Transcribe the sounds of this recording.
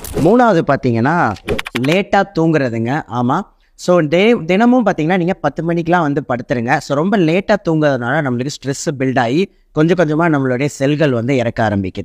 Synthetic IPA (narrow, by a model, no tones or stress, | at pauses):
muːnaːʋɐðɯpaːɾt̪iːŋɡɐnːaːleːʈːaːt̪uːŋɡɪɾɐðɯŋɡɐʔaːmaː | soːd̪ɛd̪ɪnɐmɯmpaːɾt̪iːŋɡɐnːaːniːŋɡɐpɐt̪ːɯpɐɳɪkːɪlãːʋɐnd̪ɯpɐɽɯt̪ːɯɾɯŋɡɐsoːɾɔmbɐleːʈːaːt̪uːŋɡɯɾɐðɐnaːlɐnɐmːɐɭɯkːɯsʈɾɛsbɪlɖaːji | kɔɲd͡ʒɐ̃kɔɲd͡ʒɐmaːnɐmːɐɭoːɽɐjɐsɛlɣɐɭʋɐnd̪ɯɪɾɐkːaːɾɐmbɪkːɯð